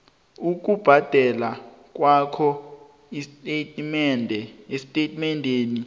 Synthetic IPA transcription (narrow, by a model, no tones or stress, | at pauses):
uk̬ʼub̥ʱad̥ʱɛla | k̬ʼwakʰɔ | istʼetʼmɛndʱɛesitʼetʼmɛndʱeːni